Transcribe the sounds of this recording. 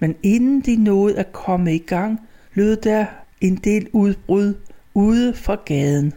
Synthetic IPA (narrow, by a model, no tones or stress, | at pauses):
mene̝nn̩d̥inɔ̽ːð̞̩ˠækʰɒ̽məiɡ̥ɑ̈ŋ̰b̥le̝d̥æe̝nd̥e̝̰ːluðˠb̥ʁuð̞ˠuð̞ˠəfʁɑɡ̥ɛð̞ˠn̩